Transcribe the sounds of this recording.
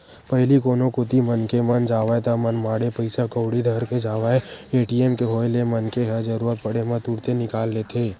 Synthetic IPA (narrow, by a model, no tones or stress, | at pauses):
pɐɦlikoːnõkʊt̪imənkemənd͡ʒaːʋaet̪amɐnmaːɽepɐɪsakəːʊɽid̪ʱɐɾked͡ʒaːʋaːeeːʈieːmkeɦoːjlemɐnkeɦɐd͡ʒɐɾuːɾət̪̚pɐɽemɐ̃t̪uːɽt̪enɪkaːlːeːt̪ʰeː